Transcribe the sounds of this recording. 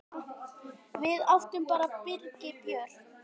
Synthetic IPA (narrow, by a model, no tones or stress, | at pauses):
vɪðaft̪ʏmpaːɾapɪɾcɪpjœɾ̥